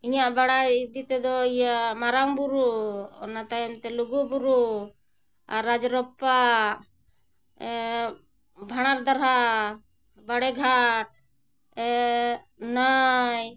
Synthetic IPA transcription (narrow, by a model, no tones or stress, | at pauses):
iɲaʔbaɽaid̪it̪ɛd̪ɔijamaɾaŋbuɾuɔ̰nat̪ajɔnt̪ɛluɡubuɾu | aɾːad͡ʒɾɔpːa | bʱaɽ̃aɾd̪aɾɦa | baɽɛɡʱaʈ̚ | ɛ | naj